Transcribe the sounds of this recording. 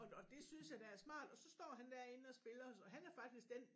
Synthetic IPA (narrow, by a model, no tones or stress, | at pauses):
ɒɒ̽d̥e̝synsjɑ̈d̥ææɐsmɑ̰̈ːd̥ɒ̽sɒ̽sd̥ɒ̰ːɦænd̥æɐ̰e̝nɒ̽sb̥e̝lɐsɒ̽ɦænæɐfɑ̈ɡ̥d̥isɡ̥d̥en